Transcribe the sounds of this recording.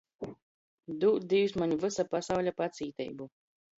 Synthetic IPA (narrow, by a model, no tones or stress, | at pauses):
d̪uːt̪̚d̪ijusmaɲuvɨsapasawʎʲapat̪sʲiːt̪ʲɛ̰jbu